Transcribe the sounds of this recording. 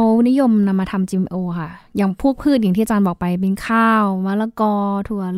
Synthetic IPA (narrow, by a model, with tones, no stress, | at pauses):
wni˦˥jo˧mna˧mːaː˧t̪ʰa˧mt͡ɕiː˧ʔe˧ʔoː˧kʰa˥˩jaː˨˩ŋpʰu˥˩k̚pʰɯː˥˩t̪̚ja˨˩ŋt̪ʰiː˥˩a˨t͡ɕaː˧nbɔː˨˩k̚pa˧jp̬e˧nkʰaː˥˩wmaː˧˥la˧kɔː˧t̪ʰu˧˩˦ɐ